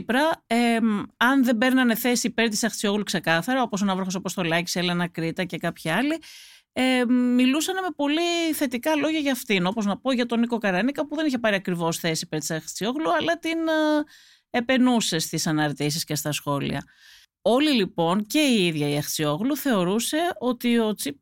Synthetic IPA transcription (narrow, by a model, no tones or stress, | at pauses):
pɾɐeɐnðe̞be̞ɾnɐne̞θe̞siːpe̞ɾt̪isɐxt͡sio̞ɣlukse̞kɐθɐɾɐo̞po̞s̬onɐvɾoxosɐpo̞st̪o̞lɐci̥selenɐkɾit̪ɐce̞kɐpçiɐli | emilusɐneme̞po̞liθe̞t̪ikɐloʝɐʝɐːft̪ino̞po̞znɐpo̞ʝɐt̪o̞niko̞kɐɾɐnikɐpuðe̞niçe̞pɐɾiɐkɾivo̞sθe̞siipe̞ɾt̪isɐxt͡sio̞ɣluɐlɐt̪in | e̞pe̞nuse̞st̪isɐnɐɾt̪is̬isce̞st̪ɐsxo̞lḭɐ̰ | o̞lilipo̞nce̞iiðʝɐiɐxt͡sio̞ɣluθe̞o̞ɾuse̞o̞t̪io̞t͡sip̚